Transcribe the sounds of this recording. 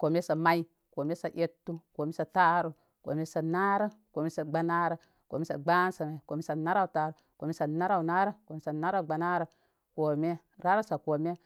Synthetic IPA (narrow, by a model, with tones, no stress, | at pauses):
ko˨me˦sa˨ma˦i˦ | ko˨me˦sa˨ʔe˦tːu˦ko˨me˦sa˨ta˦ɾu˦ | ko̰˨me˦sa˨na˦ɾə˦ko˨me˦sa˨ɡ͡ba˦na˦ɾə˦ | ko̰˨me˦sa̰˨ɡ͡ba˦nsa˨ma˨ko˨me˦sa˨na˦ɾa˦u˨ta˨ɾu˨ | ko˨me˦sa˨na˦ɾa˦u˨na˦ɾə˦ko˨me˦sa˨na˦ɾa˦˨ɡ͡ba˨na˦ɾə˨ | ko˨me˦ | ɾa˦ɾa˦sa˨ko˨me˦